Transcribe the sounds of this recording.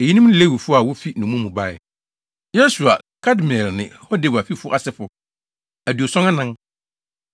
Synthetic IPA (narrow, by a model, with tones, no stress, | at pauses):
e˨ji˦nũ˦m̩˦le˦˨wi˨fʊ˦a˨wʊ˦fi˦nũ˨mũ˦mũ˨ba˦˨ɪ˨ | jɛ˦su˨a˨ | kʰa˦dmɛ˨lnɪ̰̃˨hɔ˦de˨ba˨fi˦fʊ˦ʔa˨sɪ˦fʊ˨ | æ˨du˨o˨sɔ̃˦nã˦nã˦n